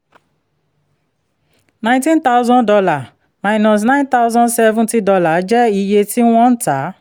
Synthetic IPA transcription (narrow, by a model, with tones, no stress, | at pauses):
nã˨j̃tĩ˦nt̪a˦wzɔ̃˦ndɔ˧la˨ | ma˨ɪnɔ˨s̬nã˦ɪ̃nt̪a˦wzɔ̃˦nsɛ˦vũ˦ti˦dɔ˧la˨d͡ʒɛ˦i˧je˧ti˦w̃ɔ̃˦n̩˦ta˨˦